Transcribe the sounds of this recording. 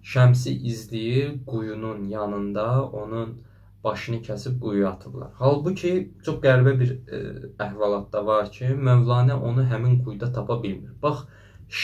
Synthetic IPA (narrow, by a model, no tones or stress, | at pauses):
ʃæms̬iʔizlijiɡujununjɑnɯnd̪ɑo̞nun | b̥ɑʃɯnɯcʰæsib̚ɡujuɑt̪ʰɯblˠɑ̰ɾhɑlˠbucʰit͡ʃʰo̞χɡæɾbæbiɾæhvɑlˠɑt̪̚d̪ɑvɑɾcʰimøvlˠɑːnæʔo̞nuɦæminɡujd̪ɑt̪ʰɑpʰɑbilmiɾb̥ɑχ | ʃ